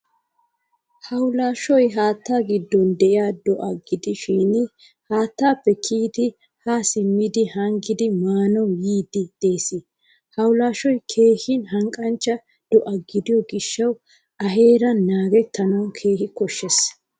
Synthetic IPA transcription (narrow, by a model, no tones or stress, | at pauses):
hɐwlaːʃɔjɦaːt̪ːaːɡɪd̪ːɔnd̪ɛʔɪaːd̪ɔʔɐɡɪd̪ɪʃiːn | haːt̪ːaːpːɛkʰiːt̪ɪ | haːsɪmːɪd̪ɪhɐŋɡɪd̪ɪmaːnɔwjiːd̪ɪd̪̥eːsɪ | hɐwlaːʃɔjkʰe̞ːhɪnɦɐŋkʼɐnt͡ʃːɐ | d̪̥ɔʔɐɡɪd̪ɪjɔɡɪʃːɐw | ʔɐɦe̞ːɾɐnaːɡɛt̪ːɐnɐwkʰe̞ːhɪkɔʃːɛs